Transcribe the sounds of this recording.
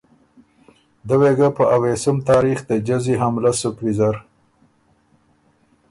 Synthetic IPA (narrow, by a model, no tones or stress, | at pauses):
d̪əweɡapəʔawesəmt̪ɑːɾixd̪əd͡ʒaziɦamlasʊkwizaɾ